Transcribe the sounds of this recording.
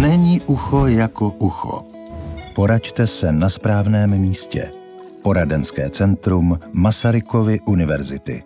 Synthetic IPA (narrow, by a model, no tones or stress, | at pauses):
nɛɲiːʔuxojakoʔuxo̰ | poɾact̪ɛsɛnaspɾaːvnɛːmmiːscɛ̰ | po̞ɾadɛnskɛːt͡sɛnt̪ɾumːasaɾɪkovɪʔunɪvɛɾzɪt̪ɪ̰